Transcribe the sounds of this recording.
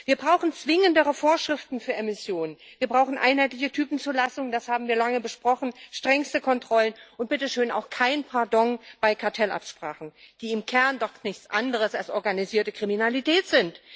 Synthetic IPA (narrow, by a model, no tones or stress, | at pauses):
v̥iːɐbʁaʊxn̩t͡sv̥ɪŋəndəʁəfoːɐʃʁ̥ɪftn̩fyːɐɛmɪsjoːnənv̥iːɐbʁaʊxn̩ʔa̰ɪnɦhaɪtlɪçətʰyːpn̩t͡suɐlasʊŋənd̥ashaːbm̩viːɐlaŋəbəʃpʁ̥ɔχn̩ʃtʁ̥ɛŋstəkʰɔntʁ̥ɔlənʔʊnt̚b̥ɪtəʃøːna̰ʊxkʰaɪnpʰaɐdɔŋb̥aɪkʰaɐtʰɛlʔa̰pʃpʁ̥a̰ːχn̩d̥iːɪmkʰɛɐndɔχnɪçt͡sʔandəʁ̞əsalsʔɔɐɡaniziːɐtəkʁ̥iminalitʰɛːtz̥ɪnt